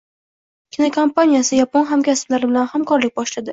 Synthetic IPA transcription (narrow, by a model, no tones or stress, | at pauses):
kʲɪnokʰompanʲijasɪjaponɦamkʲasɪ̥blaɾɪbɪlanhamkɒɾlɪk̚ʲbɒʃlad̪ɪ